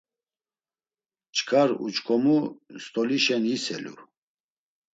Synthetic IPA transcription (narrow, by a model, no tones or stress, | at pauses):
t͡ʃʰʼkʰaɾṵt͡ʃkʰɔmust̪ʼɔliʃɛnisɛ̰lṵ